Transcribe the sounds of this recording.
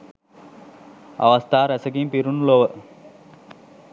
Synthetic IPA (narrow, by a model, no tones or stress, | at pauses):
ɐ̰ʋɐst̪ʰaːɾɐsɐkimpiɾunloːʋə